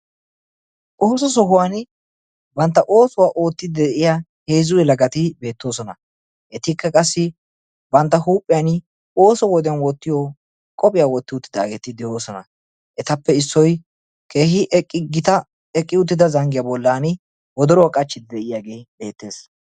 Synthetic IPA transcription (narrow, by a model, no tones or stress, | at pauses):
ʔoːsɔs̬ɔhʊwan | bɐnt̪ːɐʔo̞ːsʊwaːʔo̞ːt̪ːɪd̪ɛʔɪjahe̞ːzʊjɛlɐɡɐt̪ɪbe̞ːt̪ːo̞ːsɔnɐ | ʔɛt̪ɪkːɐkʼɐsːɪ | bɐnt̪ːɐhuːpʼːɪjanɪ | o̞ːsɔwɔd̪ɛjɐnwɔt̪ːɪjɔ | kʼɔpʼɪjaːwɔt̪ːɪʊt̪ːɪd̪a̰ːɡeːt̪ɪd̪ɛjo̞ːsɔnɐ̰ | ʔɛt̪ɐpːɛɪsːɔj | kʰe̞ːhɪʔɡɪt̪ɐ | ɛkʼːɪʊt̪̬ːɪd̪ɐzɐŋɡɪjabɔlːanɪ | wɔd̪ɔɾɔwkʼɐt͡ʃːɪd̪ɛʔɪjaːɡe̞jbe̞ːt̪ːe̞ːs